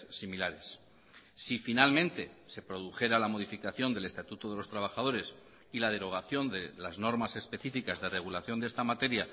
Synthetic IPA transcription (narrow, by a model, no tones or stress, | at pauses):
similaɾe̞sː | ifinalmẽ̞nt̪e̞se̞pɾo̞ðuxe̞ɾalamo̞ð̞ifikaθjo̞nd̪e̞le̞st̪at̪ut̪oðe̞lo̞st̪ɾaβ̞axað̞o̞ɾe̞s | ilað̞e̞ɾo̞ɣ̞aθjo̞nd̪e̞lazno̞ɾmase̞spe̞θifikazðe̞re̞ɣ̞ulaθjo̞nd̪est̪amat̪e̞ɾja